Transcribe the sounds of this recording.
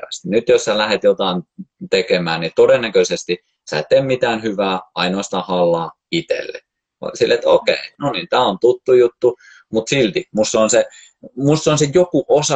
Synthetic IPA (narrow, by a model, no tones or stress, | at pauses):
æst̪inyt̪jossælæhet̪jot̪ɑˑint̪ekemæːnnit̪odenːækøsest̪i | sæ̰ˑet̪ːemmit̪æːnhyʋæːɑinoɑst̪ɑːhɑlːɑː | it̪ḛlːḛ | silːet̪o̰kḛinoniːnt̪æːont̪ut̪ːujut̪ːu | mut̪silt̪imusːonse | musːonsejokuʔosɑ